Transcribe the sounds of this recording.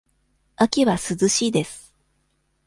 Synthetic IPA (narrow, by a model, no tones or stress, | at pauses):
akʲiβasɨzɨɕiːd̪e̞sɨ̥